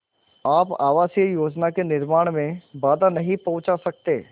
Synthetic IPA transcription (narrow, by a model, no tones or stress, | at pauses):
aːpa̰ːʋaːsjəjoːd͡ʒnakenɪɾmaːɽ̃mẽbaːd̪anɐɦĩpɐ̃ʊt͡ʃasɐk̚t̪eː